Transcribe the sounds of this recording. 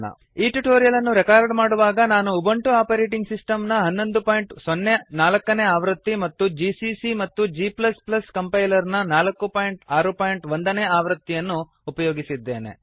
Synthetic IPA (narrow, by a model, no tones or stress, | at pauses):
ɐ̰ | iːʈuʈoːɾijɐlɐnːuɾɛkaːɾɖmaːɽuʋaːɡɐnaːnuːbɐɳʈuaːpɐɾeːʈiŋɡsisʈɐmnɐɦɐnːo̞nd̪upaːjiɳʈsɔnːenaːlɐkːɐneːaːʋɾɐt̪ːimɐt̪ːud͡ʒiːsisimɐt̪ːud͡ʒiːplɐsplɐskɐmpɐjlɐɾnɐnaːlɐkːupaːjiɳʈaːɾupaːjiɳʈʋond̪ɐneːaːʋɾɐt̪ːijɐnːuː | pɐjoːɡisid̪ːe̞ːne̞̰